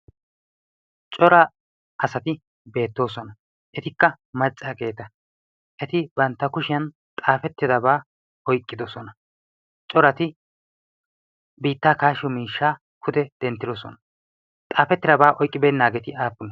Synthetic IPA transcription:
t͡ʃʼɔɾɐ | ʔɐsɐt̪ɪ | be̞ːt̪ːoːsɔnɐ | ʔɛt̪ɪkːɐ | mɐt͡sʼːaːke̞ːt̪ɐ | ʔɛt̪ɪbɐnt̪ːɐkʊʃɪjɐn | t̪ʼaːfɛt̪ːɪd̪ɐbaː | ɔjkʼːɪd̪ɔsɔnɐ | t͡ʃʼɔɾɐt̪ɪ | biːt̪ːaːkaːʃɪɔmiːʃːaː | kʰʊd̪ɛd̪̥ɛnt̪ːɪd̪ɔsɔ̰nɐ | t̪ʼaːfɛt̪ːɪd̪ɐbaːʔɔjkʼːɪbeːnːaːɡɛt̪ɪaːpːʊnɔ

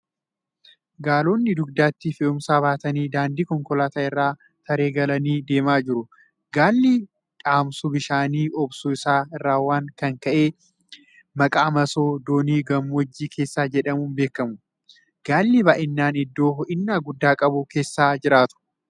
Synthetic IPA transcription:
ɡaːlo̞ːnːɪd̪ʊɡd̪aːt̪ːɪfɪʊmsaːβaːt̪ɐniːd̪aːnd̪iːkɔŋkɔlaːt̪aːɪrːaː | t̪ʰɐɾe̞ːɡɐlɐniːd̪e̞ːmaːd͡ʒɪɾʊ | ɡaːlːiː | ᶑʼaːmsʊbɪʃaːniːʔɔbsuɪsaːɪrːaːwːaːŋkɐŋkɐʔeː | mɐkʼaːmɐso̞ːd̪oːniːɡɐmːɔd͡ʒːiːkʰe̞ːsːaːd͡ʒɛᶑɐmuːnbeːkːɐmʊ | ɡ̥aːlːiːbaːʔɪnːaːnɪd̪ːo̞ːʔɪnːaːɡʊd̪ːaːkʼɐbʊke̞ːsːaːd͡ʒɪɾaːt̪ʊ̥

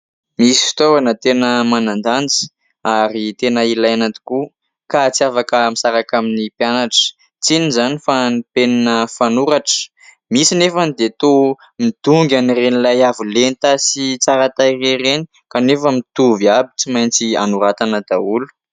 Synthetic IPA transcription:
misi̥fi̥t̪oɾanət̪enəmanand̪and͡zi̥ | aɾit̪enəilajanant̪i̥ku | kat͡siafakəmisaɾakaminipjanaʈ͡ʂə̥ | t͡sinizanifanipeninəfanuɾaʈ͡ʂə̥ | misinefənid̪et̪o | mid̪̥uŋɡʲanirenilajavilent̪asit͡saɾat̪aireɾeni | kanefəmit̪uviabi̥t͡simajnt͡sia̰nuɾat̪anəd̪̥aulu̥

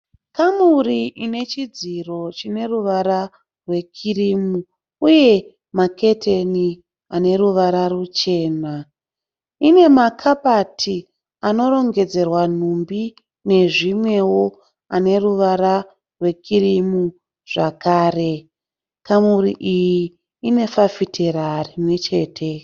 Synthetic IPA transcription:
kamuriʔine̞t͡ʃid͡ziro̞t͡ʃine̞ruʋaɾa | rwe̞kʰirimu | uje̞ | make̞tʰeni | ane̞ruʋaɾarut͡ʃe̞ːna | ine̞makʰapatʰi | ano̞ɾo̞ŋɡe̞d͡ze̞rwan̤umbi | ne̞ʐimwe̞wo̞ | ane̞ruʋaɾa | rwe̞kirimu | ʐ̥akaːre̞ | kamurḭʔijiː | ne̞fafitʰeɾarimwe̞t͡ʃe̞ːtʰe̞

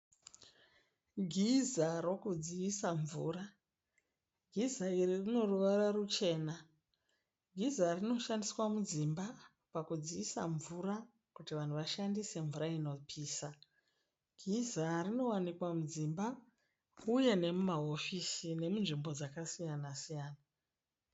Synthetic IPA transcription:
ɡʱizaro̞kud͡ziisaɱvuːra | ɡʱizaiɾirino̞ruʋararut͡ʃe̞ːna | ɡʱizarino̞ʃandiswamud͡zimba | pakud͡ziisa̰ɱvura | kutiʋan̤uʋaʃandise̞ɱvuɾaino̞pʰiːsa | ɡ̥ʱizarino̞wanikwamud͡zimba | uje̞ne̞mumaɦo̞fisine̞munʐimbo̞d͡zakasijanasijaːna

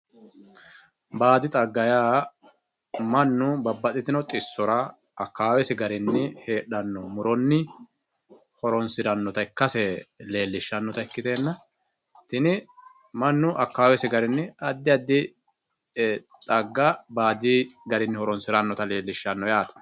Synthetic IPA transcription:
baːd̪ɪt̪ʼɐɡːɐjaː | mɐnːʊbɐbːɐt̪ʼɪt̪ɪnɔt̪ʼɪsːɔɾɐ | ɐkːaːwɛsɪɡɐɾɪnːɪhe̞ːɗɐnːɔmʊɾɔnːɪ | hɔɾɔnsɪɾɐnːɔt̪ɐɪkːɐsɛle̞ːlːɪʃːɐnːɔt̪ɐɪkːɪt̪eːnːɐ | t̪ɪnɪ | mɐnːʊʔɐkːaːwɛsɪɡɐɾɪnːɪɐd̪ːɪɐd̪ːɪ | t̪ʼɐɡːɐbaːd̪ɪɡɐɾɪnːɪhɔɾɔnsɪɾɐnːɔt̪ɐle̞ːlːɪʃːɐnːɔjaːt̪ɔ̥

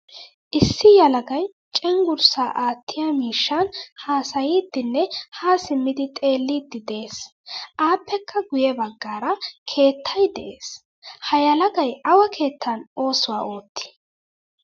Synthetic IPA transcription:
ʔɪsːɪjɐlɐɡɐj | t͡ʃʼɛŋɡʊɾsaːʔaːt̪ʰːɪjamiːʃːɐnhaːsɐjiːd̪ːɪnːɛhaːsɪmːɪd̪ɪt̪ʼe̞ːlːiːd̪ːɪd̪eːsʔaːpʰːɛkʰːɐɡʊjɛbɐɡːaːɾɐkʰe̞ːt̪ʰːɐjd̪ɛ̰ʔeːs | hɐjɐlɐɡɐjʔɐwɐkʰe̞ːt̪ʰːɐno̞ːsʊwaːʔo̞ːt̪ːɪ̥

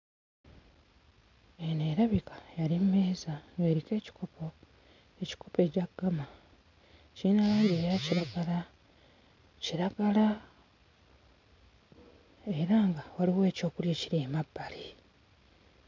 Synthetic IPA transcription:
eneɾaβikḁjaɾimmeːzanweːɾike̞ːci̥kopʰo̞ | e̞ci̥kʰope̞ːɟaɡːama | ciːnalaiɾeːjaciɾaɡala | ciɾaɡala | e̞ɾaːŋɡawaliwe̞ːco̞ːkulje̞ːciɾeːmabːali

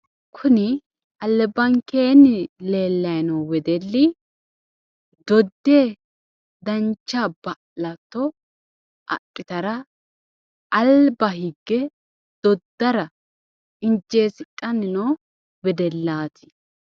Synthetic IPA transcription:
kʰʊnɪ | ɐlːɛbɐŋkeːnɪle̞ːlːɐjnɐwwɛd̪ɛlːɪ | d̪ɔd̪ːeː | d̪ɐnt͡ʃːabɐʔlɐt̪ːɔ | ʔɐ̰tʼːɪt̪ɐɾɐ | ɐlbɐhiɡːɛ | d̪̥ɔd̪ːɐɾɐ | ɪnd͡ʒeːsɪtʼːɐnːɪnoː | bɛd̪ɛlːaːt̪ʰɪ̥

